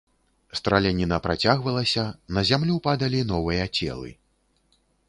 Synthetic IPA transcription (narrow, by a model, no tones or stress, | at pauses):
st̪ɾalʲanʲinɐpɾat͡sʲaɣvɐlˠɐsʲɐnɐzʲamlʲupad̪ɐlʲinɔvɨjɐt͡sʲɛ̰lˠɨ̰